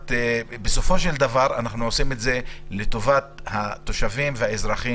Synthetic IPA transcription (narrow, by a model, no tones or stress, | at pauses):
t̪ebeso̞fo̞ʃeld̪avaʁanaχnuosimetze̞le̞t̪o̞vat̪hat̪ːo̞ʃavimvehaezʁaχi